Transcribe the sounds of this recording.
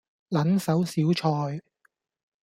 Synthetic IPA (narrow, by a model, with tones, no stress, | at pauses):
lɐ˨˥nsɐ˨˥wsiː˨˥wt͡ʃʰɔː˧j